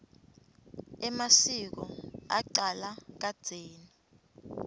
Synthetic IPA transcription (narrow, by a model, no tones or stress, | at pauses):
ɛmasik̬ɔa̰ǃalak̬ad̥z̥ʱeːni